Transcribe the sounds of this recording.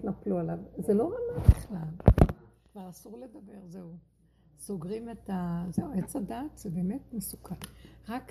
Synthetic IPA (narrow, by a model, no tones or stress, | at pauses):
tnaplualavzelo̞ʁamabiχlalkvaʁasuʁle̞dabe̞ʁzeu | so̞ɡʁimetazeuet͡sadaːt̪z̥ebe̞ːme̞tmesukʰalʁak